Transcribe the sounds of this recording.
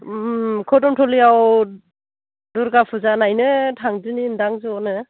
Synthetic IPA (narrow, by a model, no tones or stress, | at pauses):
kʰɔdɔmtʰɔliaw | duɾɡapʰɯzanajnɯtʰaŋzɯnindaŋzɯɔnɯ